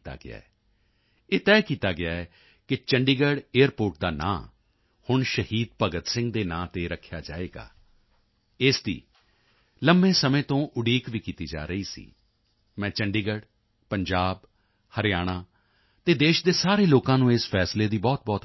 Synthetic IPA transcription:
t̪a̰ːɡɪa̰ːɛ | eːt̪ɛːkiːt̪aːɡɪaːɛ | kɪt͡ʃəɳɖiːɡəɖeːəɾpoːɾʈ̚d̪aːnã̰ː | hʊɳʃəhiːd̪̚pəɡət̪sɪ̃ŋɡd̪eːnãːt̪eːɾəkʰjaːd͡ʒaːeːɡa̰ː | ɪsd̪ḭː | ləmbẽːsəmẽːt̪õːʔʊɽiːkʋiːkiːt̪iːd͡ʒa̰ːɾəiːsḭː | mɛ̃ːt͡ʃəɳɖiːɡəɖ | pəɲd͡ʒaːb | həɾɪjaːɽ̃aː | t̪eːd̪eːʃd̪eːsaːɾeːloːkãːnũːeːspʰɛːsleːd̪iːbɔːt̪̚bɔːt̪

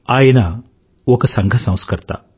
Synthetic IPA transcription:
aːjɐna | okɐsɐŋɡʱɐsɐ̃w̃skɐɾt̪ɐ̰

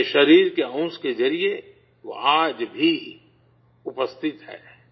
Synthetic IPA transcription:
ʃɐɾiːɾkeə̃ʊskezɐɾie | ʋo̰ʔaːd͡ʒbʱi | ʊpəst̪ʰɪt̪ɦɛ̰ː

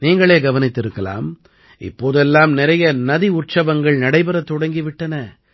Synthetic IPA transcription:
niːŋɡɐɭeːɡɐʋɐnɪt̪ːɪɾɯkːɐla̰ːm | ɪ̰pːoːðɛlːaːmnɪɾɐjɐnɐðiʊʈ̚t͡ʃɐʋɐŋɡɐɭnɐɽɐɪbɐɾɐt̪ːɔɽɐŋɡɪʋɪʈːɐnɐ

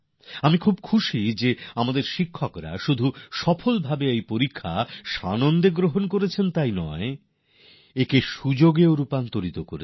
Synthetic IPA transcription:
amikʰub̚kʰuʃid͡ʑeamad̪eɾʃikʰːokɾa̰ʃud̪ʱuʃɔfolbʱabeejpoɾikʰːa̰ʃanond̪eɡɾoɦonkoɾet͡ɕʰent̪ajnɔe | ekeʃud͡ʑoɡeoɾupant̪oɾit̪oko̰ɾe

